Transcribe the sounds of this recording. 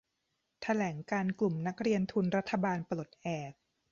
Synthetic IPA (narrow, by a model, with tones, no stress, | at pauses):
t̪ʰa˧lɛː˩˦ŋkaː˧nklu˨˩mna˦˥k̚ɾi˧ənt̪ʰu˧nɾa˦˥t̪ʰːa˧baː˧nplo˨˩t̪̚ʔɛː˨˩k̚